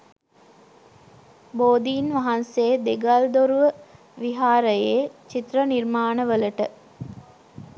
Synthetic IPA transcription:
boːd̪iːnʋaɦanseːd̪eɡald̪oɾuʋə | ʋiɦaːɾəjet͡ʃit̪rənirmaːnəʋələʈə

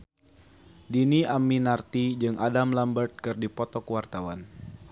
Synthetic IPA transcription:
diniʔamːinart̪id͡ʒɨŋʔadamlambərt̪̚kɨrdipɔt̪ɔkwart̪awan

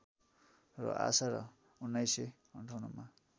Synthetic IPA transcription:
rʌ̰ʔa̰saɾʌ | unːajse | ʌɳʈʰwnuma

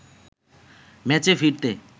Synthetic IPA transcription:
mɛt͡ɕefiɾt̪e

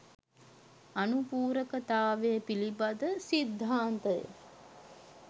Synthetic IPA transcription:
ɐnupuːɾəkət̪aːʋejəpilibad̪əsid̪ʱːaːnt̪ə̰

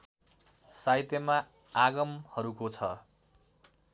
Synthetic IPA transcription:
sajt̪ema | aɡʌmhʌɾukot͡sʰʌ

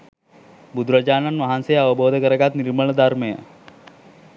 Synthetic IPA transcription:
bud̪ɾɐd͡ʒaːnanʋɐɦansejəɐʋəboːd̪ʱəkəɾəɡat̪niɾməɭəd̪ʱaɾmejə̰

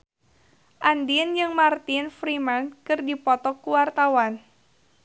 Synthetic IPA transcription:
ʔandiənd͡ʒɨŋmart̪infɾimankɨrdipɔt̪ɔkuwart̪awan

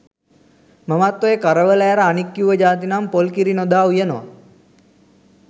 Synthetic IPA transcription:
məmat̪ːojekaɾəʋəlæːɾəanikːjuʋəd͡ʒaːt̪̬inampolkiɾinod̪aːujənoʋa̰

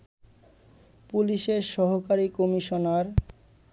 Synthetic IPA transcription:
puliʃeɾʃɔɦokaɾikomiʃonaɾ

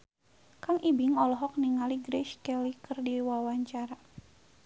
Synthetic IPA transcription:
kaŋʔibiŋɔlɔɦɔk̚niŋaliɡɾɛʃkɛlikɨrdiwawaɲt͡ʃaɾa

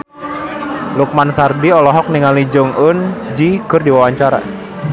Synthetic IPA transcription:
luk̚mansardiɔlɔɦɔk̚niŋalid͡ʒɔŋʊnd͡ʒiɡ̥ʊrdiwawaɲt͡ʃaɾa̰

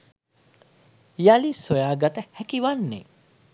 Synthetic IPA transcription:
jalisojaːɡɐt̪əhækiʋanːḛ

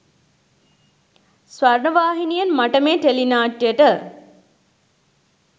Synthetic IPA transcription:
sʋaɾɳəʋaːɦinijənmaʈəmeːʈelinaːʈjəʈə

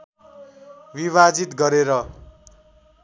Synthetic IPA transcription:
biβad͡zit̪ɡʌɾeɾʌ

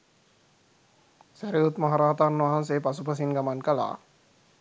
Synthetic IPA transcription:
sæɾiut̪maɦaɾaːt̪anːʋaɦanseːpasupəs̬inɡamankəla̰ː

